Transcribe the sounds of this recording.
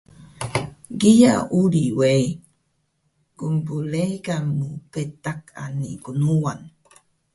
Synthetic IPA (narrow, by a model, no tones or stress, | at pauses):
ɡija̰uɾiwej | kumpuleɡamupetakʰa̰nḭkunuan